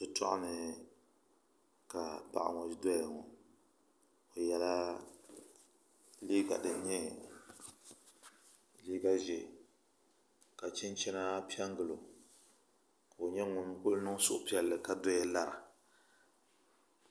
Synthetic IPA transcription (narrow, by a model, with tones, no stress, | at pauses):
dɨ˨tɔ̰˦ʔa̰˦nɨ˨ | ka˨pa̰˨ʔa̰˨ŋɔ˨˦dɛ˦ɛ˨ŋɔ˨ | o˨jɛ˦la˦ | liː˦ɡa̰˨dɨ˨˦ɲɛ˦ | liː˦ɡa˦ʒɛ˨ | ka˨t͡ʃɪ˦n˦t͡ʃɛ˦na˦pi˦ɛ˦ŋ˦ɡɨ˨lo˨ | ka˨o˨ɲɛ˦ŋʊ˨m˦k͡pʊ˦lnɨ˦ŋ˦sʊ˨ʔʊ˨pi˦ɛ˨lːɨ˨ka˨dɛ˦ɛ˦la˦ɾa̰˨